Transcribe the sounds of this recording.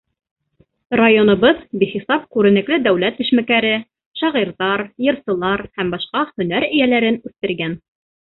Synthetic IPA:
rajonɤ̆βɤðbiχisɑp̚kʉɾɘ̆nɘ̆klɘd̪æwlæt̪ːɘ̆ʃmækæɾɘ | ʃɑʁiɾðɑɾjɤ̆ɾsɤ̆lˠɑɾhæmbɑʃqɑhɵ̆n̪æɾɘ̆jælæɾɘnʉθt̪ɘ̆ɾɡæn

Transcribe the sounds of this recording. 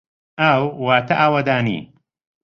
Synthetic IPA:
aːwwaːt̪ʰɐʔaːwɐd̪aːnḭː

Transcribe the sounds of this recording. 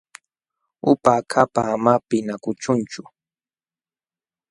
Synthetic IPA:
ʊpakʰapaːmapɪnakʊt͡ʃʊnt͡ʃʊ

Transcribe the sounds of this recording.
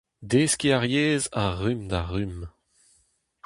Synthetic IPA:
d̪eskiaʁjeːzaʁymd̪aʁym

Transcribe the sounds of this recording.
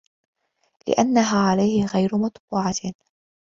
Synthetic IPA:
lɪ̰ʔanːaɦaːʕalajhɪɣajɾʊmɑt̪ˤbuːʕa

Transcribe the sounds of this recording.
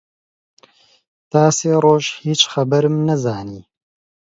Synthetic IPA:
t̪aːseːroːʒhiːt͡ʃxɐbɐɾmnɐzaːniː

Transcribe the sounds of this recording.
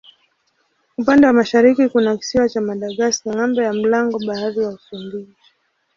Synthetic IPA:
upandɛwamaʃaɾikikunaki̥siwat͡ʃamaɗaɠastiŋambɔjam̩laŋɡɔɓaaðijaufumbizi

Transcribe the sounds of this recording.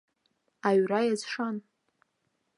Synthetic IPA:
aɥrajazʂan

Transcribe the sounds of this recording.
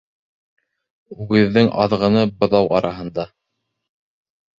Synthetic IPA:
ʉðːɘŋʔɑ̰ðʁɤ̆nɤbŏðɑwɑɾɑɦɤ̆nd̪ɑ

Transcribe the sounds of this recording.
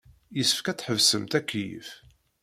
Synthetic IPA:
jəsə̥fkæt͡sːħəvsəmt̪ækːjə̰f

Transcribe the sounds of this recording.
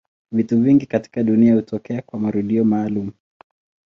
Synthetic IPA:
vituviŋɡikati̥kaɗuniahutɔkɛakwamaɾuɗiɔmaːlumu

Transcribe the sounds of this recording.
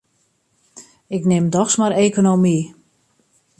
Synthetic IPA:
ɪknɪmdɔxsmaɾeːkonomi

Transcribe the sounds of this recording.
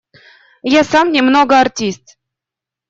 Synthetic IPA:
jasamnʲɪmnoɡəartʲist̪

